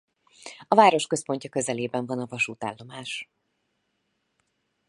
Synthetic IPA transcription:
ɒvaːɾo̞ʃkø̞spo̞ɲcɒkø̞zɛleːbɛɱvɒnɒvɒʃuːt̪a̰ːlːo̞maːʃ

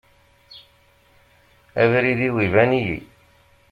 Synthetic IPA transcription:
æviɾiðiwivænijḭ

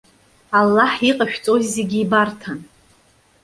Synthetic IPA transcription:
alːaħiqʼaʃᶣt͡sʼozze̞ɡʲiːbartʰan

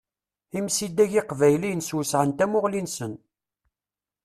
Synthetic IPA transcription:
imsid̪ːæʝɪqvæjlinswisʕənt̪æmʊʁlinsən

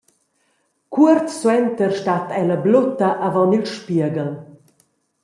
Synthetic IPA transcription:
kʰuərt̪swɛnt̪ərʃtat̪ɛləblot̪aʔavɔnilʃpiəɡəl

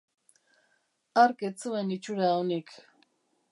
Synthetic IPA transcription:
aɾket͡suenit͡ʃuɾaonik

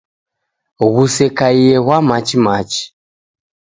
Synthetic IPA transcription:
ɣusɛkaiɛɣwamat͡ʃimat͡ʃi̥

